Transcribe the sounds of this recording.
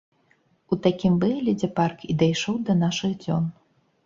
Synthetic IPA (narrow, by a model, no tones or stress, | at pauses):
ut̪akʲimbɨɛlʲɛd͡zʲɛparkʰid̪ajʂɔwd̪ɐnaʂɨɣd͡zʲɔn